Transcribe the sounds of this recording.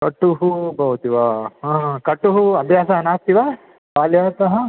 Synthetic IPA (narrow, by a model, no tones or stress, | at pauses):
kɐʈːuɦubɐɦut̪iʋaɦãɦkɐʈːuɦuɐbʱjaːsɐɦɐnaːs̚t̪iʋaː | kaːljaːt̪ɐɦɐ